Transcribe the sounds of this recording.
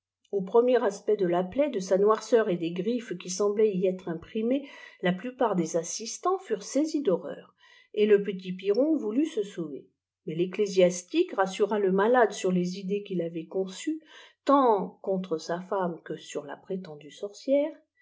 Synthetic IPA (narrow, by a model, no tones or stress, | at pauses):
opχəmjɛʁaspɛd̪əlaplɛd̪əsanwaʁsœʁed̪eɡʁifkʲisɑ̃blɛiɛt̪χɛ̃pχimelaplypaʁd̪ezasist̪ɑ̃fyʁsezid̪ɔʁœ̰ːʁ | eləpət̪̬ipiʁɔ̃vulysəsovḛ | mɛleklezjast̪ikʁasyʁaləmalad̪syʁlezid̪ekʲilavɛkɔ̃syt̪ɑ̃kɔ̃t̪χəsafamkəsyʁla̰pχet̪ɑ̃d̪ysɔʁsjɛːʁ